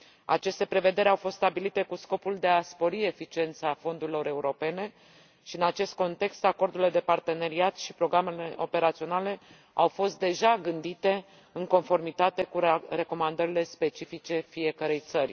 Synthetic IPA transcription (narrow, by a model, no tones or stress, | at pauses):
a̰t͡ʃe̞st̪e̞pɾe̞ve̞d̪e̞ɾʲawfo̞st̪st̪abilit̪e̞kusko̞puld̪e̞aspo̞ɾie̞fit͡ʃie̞nt̪safo̞nd̪uɾilo̞ɾe̞uɾo̞pe̞ne̞ | ʃiɨnat͡ʃe̞st̪̚ko̞nt̪e̞kst̪ako̞rd̪ulile̞d̪e̞part̪e̞ne̞ɾiat̪ʃipɾo̞ɡɾame̞le̞o̞pe̞ɾat̪sio̞nale̞ | awfo̞st̪̚d̪e̞ʒaɡɨnd̪it̪e̞ | ɨŋko̞nfo̞rmit̪at̪e̞kuɾe̞ko̞mand̪əɾile̞spe̞t͡ʃifit͡ʃe̞fie̞kəɾe̞jt̪sərʲ